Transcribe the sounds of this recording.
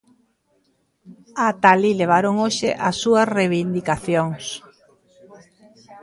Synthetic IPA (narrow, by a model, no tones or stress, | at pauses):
at̪alileβ̞aɾoŋoʃɪ̰ʔɐsːuɐsreβind̪ikaθjoŋs